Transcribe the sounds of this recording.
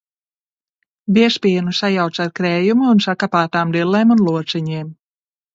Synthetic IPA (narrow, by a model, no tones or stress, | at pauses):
bʲiɛspʲiɛnusajawt̪saɾkɾɛːjumuːnsakapaːt̪aːmd̪ilˠːɛːmunlˠuɔt̪sɛɲiːm